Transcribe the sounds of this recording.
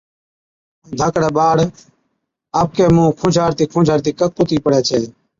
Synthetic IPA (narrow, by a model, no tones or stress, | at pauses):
d̪ʱəkɽeːɓaːɽ | aːp̚keːmũːkʰʊ̃d͡ʒʱaːɾt̪iːkʰʊ̃ːd͡ʒʱaːɾt̪iːkəkːʊt̪iːpəɽɛːt͡ʃʰeː